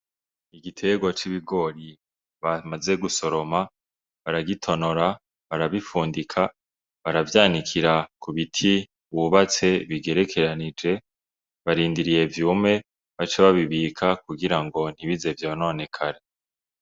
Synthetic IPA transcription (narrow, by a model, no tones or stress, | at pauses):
iɡitʰe̞ɡwo̞t͡ʃiβiɡo̞ɾi | βamaze̞ɡuso̞ɾo̞ma | βaɾaɡitʰo̞no̞ɾa | βaɾaβifuːndikʰa | βaɾavjaːnikʰiɾakuβitʰi | uuβat͡se̞βiɡe̞ɾe̞kʰe̞ɾanid͡ʒe̞ | βaɾiːndiɾije̞vjuːmŋe̞ | βat͡ʃeβaβiβiːkʰakuɡiɾaŋɡo̞n̥hiβize̞vjoːno̞ne̞kʰaɾe